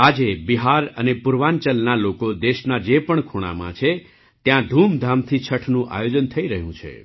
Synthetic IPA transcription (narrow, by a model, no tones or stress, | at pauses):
ad͡ʒebiɦaɾənepʊɾʋãɲt͡ʃəlnalokod̪eʃnad͡ʒepəɳkʰoɽ̃a̰mã̰t͡ʃʰe | t̪jãd̪ʱumd̪ʱamt̪ʰit͡ʃʰəʈʰnũʔa̰jod͡ʒənt̪ʰəiɾəɦjũt͡ʃʰḛ